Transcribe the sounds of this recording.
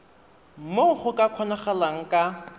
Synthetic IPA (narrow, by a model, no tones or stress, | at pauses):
m̩moŋ̩χʊkʼakʰɔnaχalaŋ̩kʼa